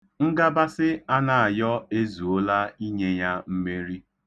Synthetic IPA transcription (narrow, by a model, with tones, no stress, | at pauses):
ŋ̩˦ɡa˦ba˦sɪ˦a˦na˨a˨jɔ˦e˦zu˨o˦la˦i˦ɲe˦ja˦m̩˦me˦ɾi˦